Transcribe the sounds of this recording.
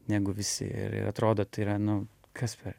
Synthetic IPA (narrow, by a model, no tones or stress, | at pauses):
nʲæɡʊʋʲɪsʲɪ̰ɪ̰ɾɪ̰ɾɐt̪ɾoːd̪oːt̪ɐɪiɾɐnʊ | kʰɐspʰʲɛɾ